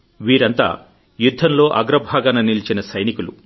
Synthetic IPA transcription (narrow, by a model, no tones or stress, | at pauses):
ʋiːɾɐnt̪a̰ː | jud̪ʱːɐnlo̞ːʔɐɡɾɐbʱaːɡɐnɐnilit͡ʃinɐsɐjnikulu